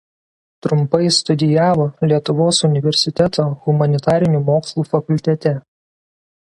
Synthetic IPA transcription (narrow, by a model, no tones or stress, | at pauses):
t̪ɾʊmpɐɪst̪ʊd̪ʲɪjæːʋoːlʲiɛt̪ʊʋoːsʊnʲɪʋʲɛɾʲsʲɪt̪ʲɛt̪oːɣʊmɐnʲɪt̪ɑːɾʲɪnʲuːmoːkslˠuːfɐkʊlʲt̪ʲɛt̪ʲɛ